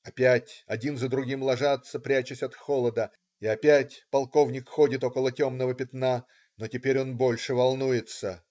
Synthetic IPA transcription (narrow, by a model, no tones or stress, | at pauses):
ɐpʲætʲɐdʲinzəd̪ɾʊɡʲimlˠɐʐat̪səpɾʲæt͡ɕɪsʲɐt̪xo̞lˠəd̪ə | ɪɐpʲætʲpɐlˠko̞vnʲɪkxo̞dʲɪt̪o̞kəlˠətʲo̞mnəvəpʲɪt̪na | no̞tʲɪpʲeɾʲo̞nbo̞lʲʂɨvɐlˠnujɪt̪sə